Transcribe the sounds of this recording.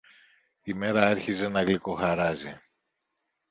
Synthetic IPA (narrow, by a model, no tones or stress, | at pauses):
ime̞ɾɐeɾçize̞nɐɣlikoxɐɾɐzi